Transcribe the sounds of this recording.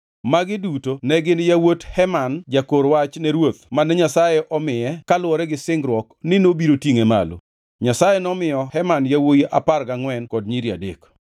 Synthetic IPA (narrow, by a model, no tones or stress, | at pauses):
maɡɪdutonɛɡɪnjawothɛmand͡ʒakoɾwat͡ʃnɛɾwot̪manɛɲasajɛʔɔmɪjɛkalwɔɾɛɡɪsɪŋɡɾwɔknɪnobiɾotjiŋema̰lo̰ | ɲasajenɔmɪjɔhɛmanjawojiʔaparɡaŋwɛnkɔdɲiɾia̰dḛk